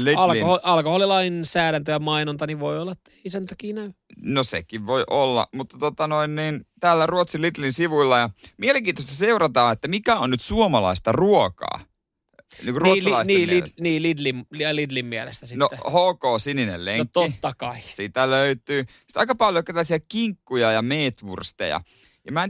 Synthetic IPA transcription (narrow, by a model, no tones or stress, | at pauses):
liɑlholɑlkoholilɑinsæːɾænt̪øjæmɑinont̪ɑniʋʋoiolːɑet̪ːæeisent̪ɑkiːnæy | nosḛkiʋʋoiʔolːɑ̰mut̪ːɑt̪ot̪ɑnoinniːnt̪æːlːæruot̪silit̪linsiʋuilːɑjɑmieleŋkiːnt̪ost̪æseurɑt̪ɑːet̪ːæmikæonnyt̪suomɑlɑ̰ist̪ɑruokɑ̰ː | niːŋkuruot̪slɑisneːminiːlid̪limllid̪limmiælest̪æsinoʔhoːkoːsininḛlleŋkt̪oit̪ːɑkɑisit̪æløyt̪yːsi̥t̪ɑikɑpɑljokːit̪ælːæsiækiŋkːujɑjɑmeːt̪ʋṵrst̪ḛjɑ̰ | jɑmæn